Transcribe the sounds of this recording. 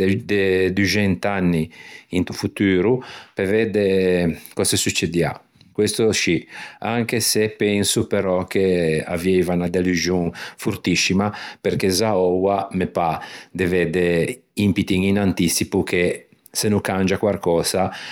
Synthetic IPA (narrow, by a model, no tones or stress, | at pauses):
d̪ed̪ud͡ʒɛnt̪anːiint̪ufut̪uːɾupevɛd̪ekɔsesut͡ʃːed̪ia̰ | kwest̪oʃiaŋkesepɛnsupeɾɔkea̰vɛvanad̪eluzjuŋfuɾt̪isːimapeɾkezaɔwamepad̪evɛd̪eimpit̪iŋinant̪isipukʰe | senukand͡ʒakwarkɔːza